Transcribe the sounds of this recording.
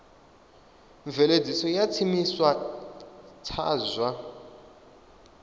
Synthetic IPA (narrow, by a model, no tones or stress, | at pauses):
ɱvɛled͡zʱisɔjat͡sʰimiswa | tʰa̰ːzwa